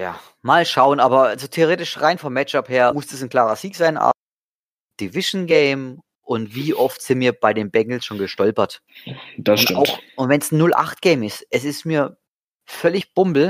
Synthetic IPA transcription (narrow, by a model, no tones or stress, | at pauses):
ja̰ː | maːlʃaʊənaːbɐazoːtʰeoʁeːtɪʃʁaɪnfɔmːɛt͡ʃapheːɐmʊstɛsn̩kl̥aːʁɐziːkz̥aɪnʔa̰ː | d̥ɪvɪʃn̩ɡɛɪm | ʔʊntv̥iːʔɔftz̥ɪnmiːɐb̥aɪdeːnbɛŋl̩sʃoːnɡəʃtɔlpɐt | d̥asʊna̰ʊxʊntvɛnsnʊlʔa̰χtɡ̥ɛɪmɪstʔɛsɪstmiːɐ | fœlɪçb̥ʊmbl̩